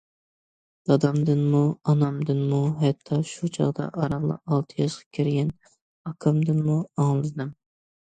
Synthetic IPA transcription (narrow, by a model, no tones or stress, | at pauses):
d̪ɑd̪ɑmd̪ɨnmuɑnɑmd̪ɨnmuɦɛt̪ʰːɑʃut͡ʃʰɑ̰ʁd̪ɑ̰ʔɑɾɑʁlˠɑ̰ɑlˠt̪ʰɨjɑʃqʰɑ̥kʲʰiɾɡʲɛn | ɑkʰɑmd̪ɨnmuɑŋlˠɨzd̪ɨm